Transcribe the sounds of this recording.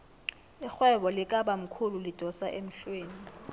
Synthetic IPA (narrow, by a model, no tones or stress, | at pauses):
ixwɛɓɔlik̬ʼaɓam̩kʰululid̥ʱɔsaʔem̩ɬweːni